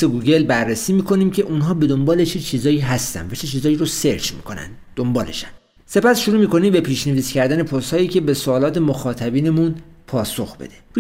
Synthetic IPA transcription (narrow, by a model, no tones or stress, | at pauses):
eɡuːɡe̞lbærːesiːmiːkʰo̞niːmcʰe̞ʔunɦɒːbe̞d̪o̞mbɒːlet͡ʃʰet͡ʃʰiːzɒːjiːɦæst̪æ̰nvæt͡ʃʰet͡ʃʰiːzɒːjiːɾose̞ɾt͡ʃmḭːkʰo̞næ̰nd̪d̪ombɒːle̞̰ʃæn | se̞pæsʃoɾuːmiːko̞niːmbe̞pʰiːʃneviːscʰæɾd̪æne̞pʰost̪hɒːjiːce̞be̞soːlɒːt̪ʰe̞moxɒːt̪ʰæbiːne̞munpʰɒːso̞xbe̞̰d̪̥eɾ